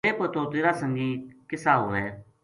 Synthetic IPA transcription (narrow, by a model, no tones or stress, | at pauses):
eːpət̪ʰõːt̪eːɾaːsə̃ŋɡiːkɪsaːɦʊʋɛː